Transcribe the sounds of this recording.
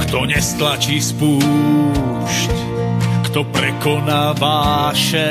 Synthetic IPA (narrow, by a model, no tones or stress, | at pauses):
kt̪ɔɲɛst̪lat͡ʃispu | ʃc | kt̪ɔpɾɛkɔnaːvaːʃɛ